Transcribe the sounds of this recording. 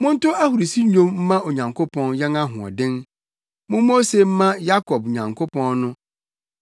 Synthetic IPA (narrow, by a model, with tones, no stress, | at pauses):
mʊ̃˦n̩˦tʊ˦a˦hu˨ɾi˨si˦ɲõ˦mm̩˦mã˦o˨ɲã˨ŋkʰo˦pʰɔ̃˦njɛ˦ŋa˦ɦʊ̰̃˨ɔ̰˨dɪ̃˦n | mʊ̃˦o˦se˨m̩˦mã˦ja˦kʰɔ˨b̚ɲã˨ŋkʰo˦pɔ̃˦nnʊ̃˦